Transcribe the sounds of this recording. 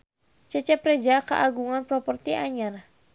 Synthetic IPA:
t͡ʃɛt͡ʃɛpɾɛd͡ʒaka̰ʔaɡuŋanpɾɔpɔrt̪iʔaɲar

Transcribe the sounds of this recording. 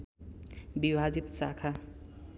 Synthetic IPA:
bibʱad͡zit̪sa̰kʰa

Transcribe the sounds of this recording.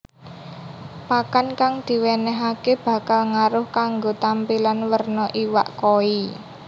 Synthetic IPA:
pakankaŋd̪̥i̤wenɛɦakeb̥ä̤kalŋaɾʊhkaŋɡot̪ampilanwərnɔʔiwa̰ʔkoi

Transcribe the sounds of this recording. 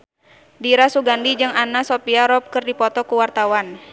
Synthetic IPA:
diɾasuɡandid͡ʒɨŋanasɔpiaɾɔp̚kɨrdipɔt̪ɔkuwart̪awan

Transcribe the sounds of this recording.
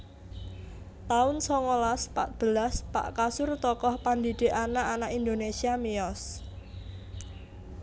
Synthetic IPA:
t̪aʊnsɔŋolaspa̰t̪̚b̥ə̤laspa̰ʔkasʊrt̪ɔkɔhpand̪id̥e̤ʔanaʔanaʔind̪onesiamiɔs

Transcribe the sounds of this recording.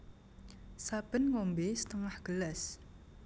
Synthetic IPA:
sab̥ə̤nŋɔmbesə̥t̪əŋahɡ̥ələs

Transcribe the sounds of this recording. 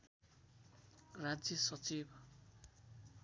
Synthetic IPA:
rad͡zjʌsʌt͡sibʱ

